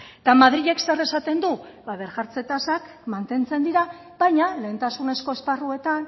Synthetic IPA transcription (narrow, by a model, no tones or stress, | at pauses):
t̪amaðɾiʝe̞kse̞ɾe̞sat̪e̞nd̪uβaβe̞ɾʝaɾt͡se̞t̪asak | mant̪e̞nt͡se̞nd̪iɾa | βajɲale̞ːnt̪asune̞sko̞esparue̞t̪an